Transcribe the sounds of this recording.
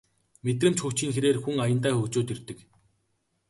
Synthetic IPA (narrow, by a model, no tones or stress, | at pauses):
met̪̬rɘ̆mt͡ɕxɵxt͡ɕiːŋxeɾeːrxuŋajə̆nt̪aːxɵːkt͡ɕoːt̪ɵrt̪ɘ̆k